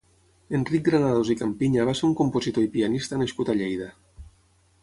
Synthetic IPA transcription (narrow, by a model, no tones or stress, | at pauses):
enrik̚ɡɾanaðozikampiɲaβaseɾuŋkompozit̪oipianist̪anaskut̪aʎejða